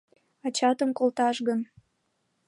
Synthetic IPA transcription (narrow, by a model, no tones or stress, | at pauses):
ɑt͡ɕɑt̪əmkolt̪ɑʃɣən